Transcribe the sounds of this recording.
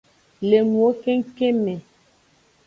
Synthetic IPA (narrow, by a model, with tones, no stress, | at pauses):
le˨mwo˨˦ke˦ŋ˦ke˦mɛ˨